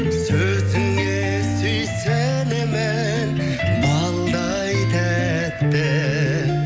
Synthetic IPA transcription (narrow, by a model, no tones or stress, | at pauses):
sɵ | zɪŋe | sejse | neme | n | mɑlˠd̪ɑ | jt̪ʰæ | t̪ːe